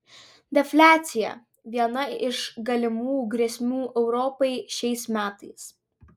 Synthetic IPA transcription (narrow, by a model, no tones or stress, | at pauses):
d̪ʲɛfʲlʲæːt̪sʲɪjɛ̰ | ʋʲiɛnɐɪʃɡɐlʲɪmuːjuɡɾʲɛsʲmʲuːʔɛʊɾɔpɐɪʃʲɛɪsmʲæːt̪ɐɪs